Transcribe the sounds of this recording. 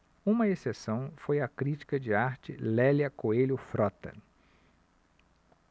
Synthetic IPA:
ũmɐesesɐ̃w̃fojɐkɾit͡ʃi̥kɐd͡ʒɪaɾt͡ʃɪlɛljɐkoelʊfɾɔt̪ɐ̰

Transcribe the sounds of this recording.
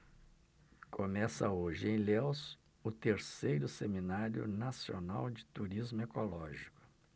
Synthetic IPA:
kʰomɛsɐ̰oʒɪẽj̃lews | ʊt̪eɾsejɾʊseminaɾjʊ̰nasionawd͡ʒɪt̪uɾizmʊekolɔʒikʊ̥

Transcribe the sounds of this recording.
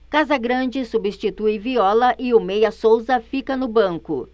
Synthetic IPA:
kazɐɡɾɐ̃d͡ʒɪsubist͡ʃit̪ujviɔlɐʔɪomejɐsowzɐfikɐnʊbɐ̃ŋkʊ̰

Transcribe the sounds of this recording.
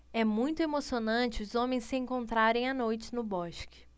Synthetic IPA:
ɛmũj̃t̪ʊemosionɐ̃t͡ʃɪʊzõmẽj̃ssɪẽŋkõnt̪ɾaɾẽj̃anojt͡ʃɪ̥nʊbɔʃkɪ̥

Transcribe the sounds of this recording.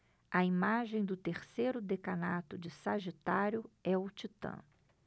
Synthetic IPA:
ɐimaʒẽj̃d̪ʊt̪eɾsejɾʊd̪ekanat̪ʊd͡ʒɪsaʒit̪aɾjʊɛʊt͡ʃit̪ɐ̰̃

